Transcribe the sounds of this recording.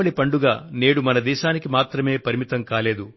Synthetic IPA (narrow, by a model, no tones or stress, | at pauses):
ɐɭipɐɳɖuɡaːne̞ːɽumɐnɐd̪ɛːʃaːnikimaːt̪ɾɐme̞ːpɐɾimit̪ɐmkaːle̞ːd̪u